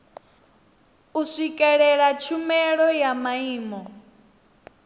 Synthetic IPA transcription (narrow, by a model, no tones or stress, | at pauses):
uʂʷikʼɛɺɛɺat͡ʃʰumɛɺɔjamaiːmɔ